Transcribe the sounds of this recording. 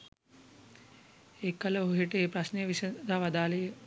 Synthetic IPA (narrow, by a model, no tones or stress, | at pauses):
ekːɐlɐɦuɦiʈeːpɾɐsnejʋisɐd̪ʱaʋɐd̪aːle